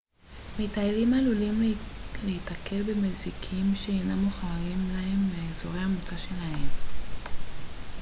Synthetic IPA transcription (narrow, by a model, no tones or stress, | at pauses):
mitaelimalulimleitake̞lbemezikʰimʃeejnamuχaʁimlahe̞mbeːzoʁejamut͡saʃe̞lahe̞m